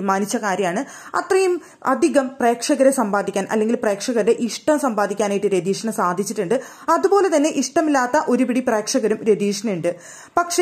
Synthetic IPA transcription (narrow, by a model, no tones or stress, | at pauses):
maːnit͡ɕːɐkaːɾjɐmaːɳɨ | ɐ̰t̪rɐjum | ɐ̰d̪ʱiɣɐmpre̞ːkʂɐɣɐɾɐsɐmbaːd̪ʱikʲːaːnʔɐ̰lːe̞ŋɡilpre̞ːkʂɐɣɐdeʔiʂʈɐmsɐmbaːd̪ʱikʲːaːnaːjiʈːɨɾed̪iːʂɐnɐsaːd̪ʱit͡ɕːiʈːuɳɖɨ | ɐðupo̞ːle̞t̪ɐnːe̞ʔiʂʈɐmilːaːt̪ːɐʔo̞ɾupiɽipre̞ːkʂɐɣɐɾumɾe̞d̪iːʂɐnɐuɳɖɨ | pɐkʂe